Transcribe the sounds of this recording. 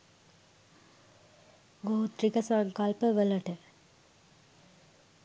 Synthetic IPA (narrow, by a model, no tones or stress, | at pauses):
ɡoːt̪ɾikɐsaŋkalpəʋəlɐʈə